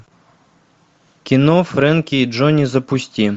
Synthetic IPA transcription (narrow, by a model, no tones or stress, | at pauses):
kʲinɔfɾɛnkʲiːd͡ʒɔnʲizɐpʊsʲtʲi